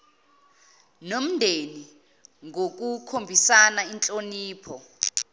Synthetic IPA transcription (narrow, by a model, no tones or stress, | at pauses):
nom̩ndʱeni | ŋok̬ukʰombʱisanaint͡ɬʼoniːpʰɔ